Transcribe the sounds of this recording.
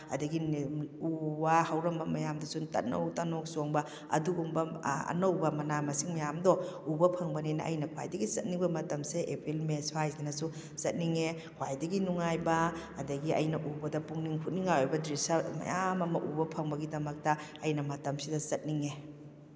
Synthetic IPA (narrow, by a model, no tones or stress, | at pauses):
ɐ̰dɐɡinubɐhɐwɾɐmbɐmɐjamdɐsuntɐ̰t̚nɐ̰wtɐnok̚soŋbɐ | ɐ̰duɡumbɐɐ̰nɐwbɐmɐnamɐsiŋmɐjamdɔubɐpʰɐŋbɐnenɐ̰ʔɐ̰jnɐkʰwa̰jdɐɡizɐt̚niŋbɐmɐtɐmseʔepʰilmesuhajzinɐsu | z̥ɐt̚niŋe | kʰwajdɐɡinuŋajbɐːdɐɡiɐ̰jnɐʔubɐdɐpuŋniŋhʰut̚niŋajojbɐdɾisɐmɐ̰jamɐmɐʔubɐpʰɐŋbɐɡidɐmɐk̚tɐɐjnɐmɐtɐmsidɐzɐt̚niŋe